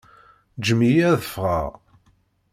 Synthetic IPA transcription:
d͡ʒəmijæðəfʁa̰ʁ

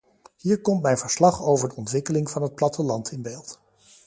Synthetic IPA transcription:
hiːɹkɔmtmɛjnv̥əɹslɑχowvəɹdəɔntʋɪkəlɪŋv̥ɑnɦət̚plɑtəlɑntʰɪnbeːlˠt

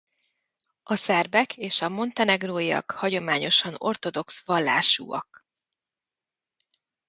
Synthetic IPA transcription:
ɒsɛrbɛkʰeːʃɒmo̞nt̪ɛnɛɡroːiɒ̰khɒɟo̞maːɲo̞ʃɒno̞̰rt̪o̞d̪o̞ksʋɒlːa̰ːʃṵːɒ̰k

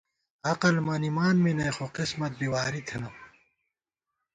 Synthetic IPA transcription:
ɐqɐlmɐnimaːnminɐjxoqismɐt̪̚biwaːɾit̪ʰenɐ

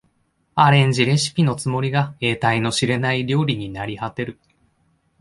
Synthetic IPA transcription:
aɾẽ̞ɲ̟d͡ʑiɾe̞ɕi̥pʲino̞t͡sɨmo̞ɾʲiɡae̞ːt̪aino̞ɕiɾe̞naiɾʲo̞ːɾʲiɲ̟inaɾʲihat̪e̞ɾɯ̟

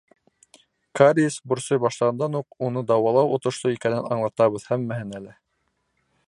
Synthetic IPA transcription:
kaɾʲisbŭɾsɤjbɑʃlˠɑʁɑnd̪ɑnuqunɤd̪ɑwɑlˠɑwŏt̪ŏʃt̪oikænɘnɑɴlˠɑt̪ɑβɤðhæmːæhɘnælɘ

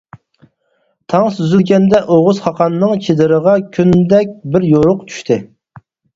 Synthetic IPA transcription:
t̪ʰɑŋsyzylɡʲɛnd̪ɛʔoʁʊzχɑqʰɑnːɨŋt͡ʃʰed̪ɪɾəʁɑkʲʰynd̪ɛk̚ʲbɪɾjoɾʊqt͡ʃʰy̥ʃt̪ʰɪ

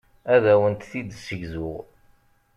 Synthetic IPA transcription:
æðæwənt̪θid̪səʝzʊʁ

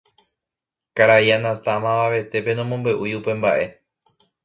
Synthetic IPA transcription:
kaɾaianãt̪amãʋaʋe̞t̪e̞pe̞nõmõ̞mbe̞ʔujupe̞mbaʔe̞

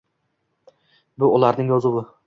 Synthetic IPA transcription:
bʊʊlaɾnɪŋjɒzɪbʊ

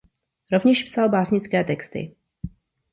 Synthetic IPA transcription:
ɾo̞vɲɛʃpsalbaːsɲɪt͡skɛːt̪ɛkst̪ɪ̰

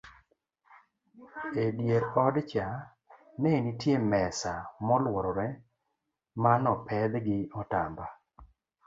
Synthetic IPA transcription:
edjeɾɔdt͡ʃa | nenitjemɛsamɔlwɔɾɔɾɛ | manɔpʰɛd̪ɡɪɔtamba

